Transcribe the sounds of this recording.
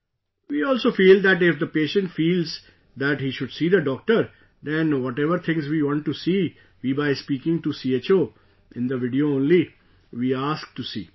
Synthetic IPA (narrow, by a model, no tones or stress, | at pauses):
ʋiːɔːlsoːfiːld̪æʈɪfd̪əpeːʃə̃ɳʈfiːlz | d̪æʈhiːʃʊɖsiːd̪əɖɔːk̚ʈəɾ | d̪ɛ̃nʋɔʈɛʋəɾt̪ʰɪ̃ŋzʋiːʋɔ̃ɳʈʈːusiː | ʋiːbaɪspiːkɪ̃ŋʈusiːeːt͡ʃoː | ɪ̃nd̪əʋɪɖioːõːnli | ʋiːaːsk̚ʈusḭː